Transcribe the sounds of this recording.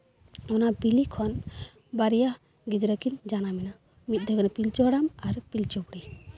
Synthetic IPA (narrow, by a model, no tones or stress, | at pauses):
ɔnabilikʰɔn | baɾija | ɡid̪ɾəkind͡ʒanamɛna | mit̪̚d̪ʱɔɡɛnapilt͡ʃɔɽamaɾpilt͡ʃɔpɽi